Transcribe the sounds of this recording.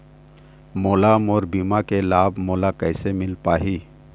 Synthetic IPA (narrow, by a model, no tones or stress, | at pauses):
moːlaːmɔːɾbiːmakelaːbʱmoːlakɛːsemɪlpaːɦiː